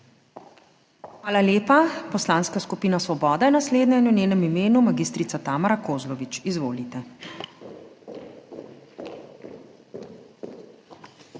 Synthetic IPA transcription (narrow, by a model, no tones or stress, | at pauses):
xʋaːlaljeːpapɔslaːnskaskupiːnasʋɔbɔːd̪ajɛnasleːd̪ɲanuneːnɛmimeːnumaɡist̪ɾit̪sat̪aːmaɾakoːzlɔʋit͡ʃizʋoːlit̪ɛ